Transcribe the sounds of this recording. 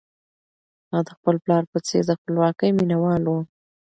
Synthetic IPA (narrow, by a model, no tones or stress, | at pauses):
mɑd̪əxpəlplɑɾpət͡sed̪əxpəlwɑkəjminawɑlwu